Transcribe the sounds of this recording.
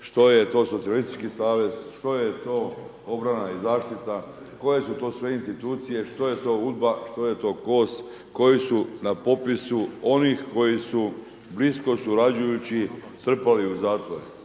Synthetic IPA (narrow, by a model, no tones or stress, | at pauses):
ʃt̪o̞jet̪o̞sot̪sialist̪it͡ʃkisaːʋe̞z̥ʃt̪o̞jet̪o̞ː | obɾanaizaːʃt̪it̪a | ko̞je̞sut̪o̞ːsʋe̞inst̪it̪uːt̪sije̞ʃt̪o̞je̞t̪o̞ːud̪̚baʃt̪o̞jet̪o̞ːko̞ːs | ko̞jisunapo̞pisuo̞nixko̞jisu | blisko̞suɾad͡ʒujut͡ɕit̪r̩paliuzaːt̪ʋo̞ɾe